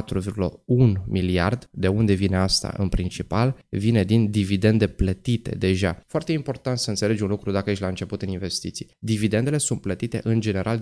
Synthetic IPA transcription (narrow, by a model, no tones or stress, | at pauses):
t̪ɾuvirɡulə̰unmilia̰rd̪d̪e̞und̪e̞vine̞ast̪a̰ʔɨ̰npɾint͡ʃipalvine̞d̪ind̪ivid̪e̞nd̪e̞plət̪it̪e̞̰d̪e̞ʒafoart̪e̞impo̞rt̪ant̪səɨnt̪se̞le̞d͡ʒunlukɾud̪akəjeʃlaɨnt͡ʃe̞put̪ɨninve̞st̪it̪sijed̪ivid̪e̞nd̪e̞le̞sunt̪̚plət̪it̪e̞̰ʔɨnd͡ʒe̞ne̞ɾʔal